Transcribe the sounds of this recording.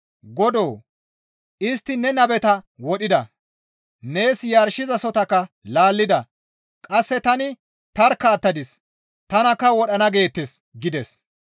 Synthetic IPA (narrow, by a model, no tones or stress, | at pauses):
ɡɔd̪o̞ː | ɪst̪ːɪnɛnɐbɛt̪ɐwɔɗɪd̪ɐ̰ | ne̞ːsjaːɾʃɪzɐsɔt̪ɐkːɐ | laːlːɪd̪ɐ | kʼɐsːɛt̪ɐnɪ | t̪ɐɾkːɐːt̪ːɐd̪ɪs | t̪ɐnɐkːɐwɔɗɐnɐɡe̞ːt̪ːes | ɡɪd̪ɛs